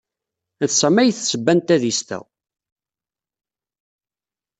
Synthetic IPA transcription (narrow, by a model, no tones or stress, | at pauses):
θsæmːæjθsəbːænt̪æðist̪æ̰